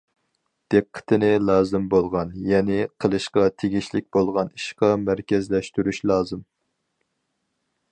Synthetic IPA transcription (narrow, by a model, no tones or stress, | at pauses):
d̪̥eqʰːə̥t̪ʰɨnɪlˠɑːzɨmbolˠʁɑnjɛnɪqʰəlˠɨʃqɑt̪ʰeɡʲiʃlɪk̚ʲbolˠʁɑniʃqɑmæɾkʲɛzlɛʃt̪yɾyʃlˠɑːzɨm